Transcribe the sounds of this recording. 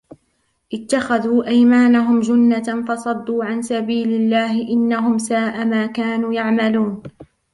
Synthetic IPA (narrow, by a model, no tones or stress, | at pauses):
ʔɪt̪ːaxaðuːʔajmaːnaɦʊmd͡ʒʊnːafɑsˤɑd̪ːuːʕansabiːlɪlːaːhɪʔɪnːaɦʊmsaːʔamaːkaːnuːjaʕmaluːn